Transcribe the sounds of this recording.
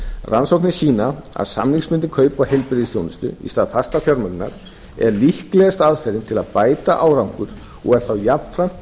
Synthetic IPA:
rʔansowknɪsiːnaa̰ðsa̰mniŋsmʏnt̪ɪkʰœːɥpahejlpɾɪðɪst̪jownɪst̪ʏ̰ḭst̪aːðfast̪afjɔɾmœkna̰ɾ̥ | ɛɾlihklɛɣast̪aðfɛɾɪnt̪ʰɪlaðpaːjt̪aʔaːwɾawŋkʏɾ̥ | ɔ̰ɣɛɾ̥θawjapn̥fɾam̥t̪

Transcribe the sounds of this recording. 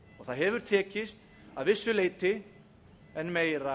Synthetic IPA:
ɔɣθaðɦɛvʏɾ̥t̪ʰɛːcɪst̪ | aðvɪsːʏleːjt̪ɪ | ɛnmeːjɾa

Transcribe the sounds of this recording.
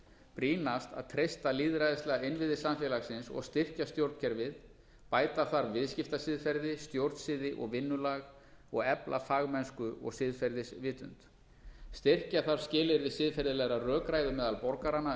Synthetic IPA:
pɾiːnast̪a̰ðt̪ʰɾejst̪aliːðɾajðɪst̪lɛɣaɪnvɪðɪsamfɛlaɣsɪnsɔ̰ɣst̪ɪr̥cast̪jowɾt̪cʰɛɾvɪð | paːjt̪aθaɾvɪðscɪft̪asɪðfɛɾðɪst̪jowɾt̪sɪːðɪʔɔ̰ɣvɪnːʏlaɣ | ɔɣɛplʔa̰faːɣmɛnskʏʔɔ̰ɣsɪːðfɛɾðɪsvɪːt̪ʏnt̪ | st̪ɪr̥caθaɾ̥scɪːlɪɾvɪsɪːðfɛɾðɪlɛɣɾarœːkɾaːjðʏmɛːðalpɔɾkaɾana

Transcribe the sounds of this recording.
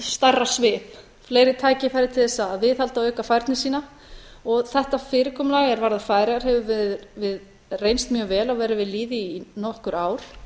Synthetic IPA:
st̪arːasvɪːp | fleːjɾɪt̪ʰaːjcɪfajɾɪt̪ʰɪlθɛsːaːðvɪðhalt̪aœɥkafajɾt̪nɪsiːna | ɔɣθɛht̪afɪːɾɪkʰɔːmlaːɣɛɾvaɾðafaːjɾɪɣaɾ̥hɛvʏvɪðvɪð | rejnst̪mjœːɣvɛːlawvɛːɾɪvɪðliːðɪinɔhkʏɾaːwɾ̥

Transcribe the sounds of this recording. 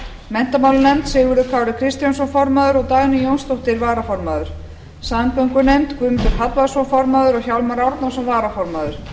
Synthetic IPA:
mɛn̥t̪amawlnɛmt̪sɪːɣʏɾʏkʰaːwlɪkʰɾɪst̪jans̬ɔnfɔɾmaðʏɾɔɣt̪aːɣnɪjownst̪owt̪ɪɾvaːɾafɔɾmaːðʏɾ̥ | saːmpœŋkʏnemt̪kvʏmfɪɾɦat̪vasɔnfɔɾmaðʏɾɔɣçawlmaɾɔɾt̪nansɔnvaːɾafɔɾmaːðʏɾ̥

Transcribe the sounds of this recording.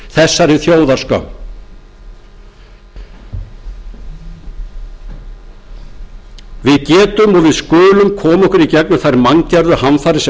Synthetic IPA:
θɛsːaɾɪθjoːwðaskœ̰m | vɪðcɛːt̪ʏmɔɣvɪðskʏːlʏmkʰɔːmɔhkʏɾicɛknʏθajɾmaŋcɛɾðʏhanfaɾɪs

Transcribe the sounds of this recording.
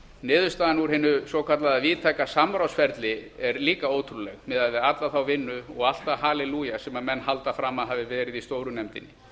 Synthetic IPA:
nɪːðʏst̪aːðanuɾ̥hɪnːʏsowkʰat̪laðaviːt̪ʰajkasamɾawsfɛɾt̪lɪɛɾliːkaoːwt̪ʰɾulɛɣmɛːðaðvɪðat̪laθawvɪnːʏɔɣal̥t̪aɦaːlɛluːjasɛmamɛnːɦalt̪afɾaːmːaðɦaːvɪvɛːɾɪðist̪oːwɾʏnɛmt̪ɪnːɪ

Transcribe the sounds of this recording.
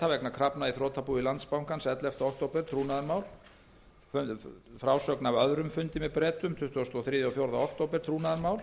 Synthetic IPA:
avɛknakʰɾapnaiθɾɔːt̪ʰapuilant̪spawŋkansɛt̪lɛft̪aɔhk̚t̪owpɛɾ̥t̪ʰɾuːnaðɾmaːwl | fʏfɾawsœknavœðɾʏmfʏnt̪ɪmɛðpɾɛːt̪ʏmt̪ʰʏht̪ʏɔst̪ɔθɾiːðjaθjowɾðaɔkt̪oːwpɛɾ̥t̪ʰɾuːnaðaɾmaːwl

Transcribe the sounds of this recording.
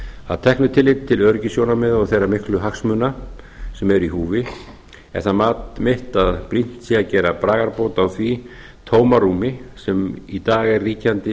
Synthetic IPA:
a̰ðt̪ʰɛhknʏt̪ʰɪlɪt̪ʰːɪlœɾcɪsjownamɛðɔɣθejrːamɪhklʏɦaksmʏna | sɛmɛɾihuːvɪ | ɛ̰θamaːt̪mɪht̪aðpɾin̥t̪siacɛːɾapɾaːɣaɾpoːwt̪awθvi | t̪ʰoːwmaruːmɪsɛmit̪aːɣɛrːiːcant̪ɪ

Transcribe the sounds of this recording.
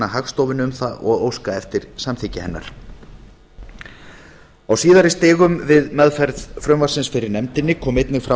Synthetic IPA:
ahaxst̪owvɪnʏmθaɔ̰ɣoːwskaɛft̪ɪɾ̥samθɪcɪhɛnːa̰ɾ̥ | awsiːðaɾɪst̪ɪːɣʏmvɪðmɛðfɛɾðfɾœmvḁsɪnsfɪɾɪɾnɛmt̪ɪnːɪkʰɔːmejt̪nɪɣfɾa

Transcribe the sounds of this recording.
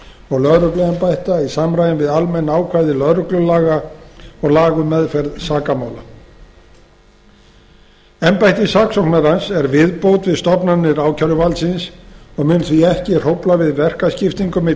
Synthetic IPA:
ɔɣlœðɾʏklɛɣɛmpajht̪aisamɾajɪnvɪðalmɛnːaːwkʰvajðɪlœðɾʏklʏlaːɣaɔɣlaːɣʏmɛðfɛɾðsaːkamaːwla | ɛmpajht̪ɪsaːksɔwknmɛɾansɛɾvɪðpowt̪vɪðst̪ɔpnanːɪɾaːwcʰœɾʏvalt̪sɪnsɔɣmʏnθviɛhcɪr̥owplavɪðvɛr̥kascɪft̪iŋkʏmɪ

